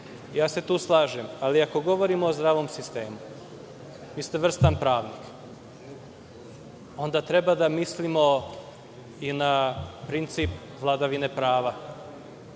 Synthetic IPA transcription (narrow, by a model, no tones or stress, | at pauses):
jaːse̞t̪uːslˠaːʒemaliako̞ɡo̞ʋo̞ɾimoːzd̪ɾaːʋo̞msist̪e̞ːmu | ʋiːst̪eʋr̩st̪anpɾaːʋnik | o̞nd̪at̪ɾe̞bad̪amislimo̞ | inapɾint̪sip | ʋlˠad̪aʋine̞pɾaːʋa